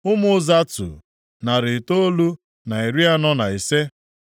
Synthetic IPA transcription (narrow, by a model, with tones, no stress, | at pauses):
ʊ˦mʊ˦za˦tʊ̰˨ | na˨ɾɪ˨to˦o˦lu˦ | na˨e˨ɾi˦a˦nɔ˦na˨e˨se˦